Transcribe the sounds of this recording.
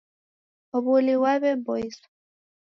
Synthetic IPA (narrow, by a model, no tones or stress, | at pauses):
ɔβuliwaβɛbɔis